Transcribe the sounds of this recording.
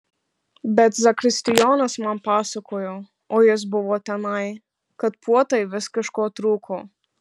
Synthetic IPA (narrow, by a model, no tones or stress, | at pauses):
bɛt̪zakɾist̪ijɔːnasmampasɔkɔjɔ | ɔjɛz̬bɔʋɔt̪anaj | kat̪pwɔt̪ajʋɛskəʃkɔt̪ɾuːkʰɔ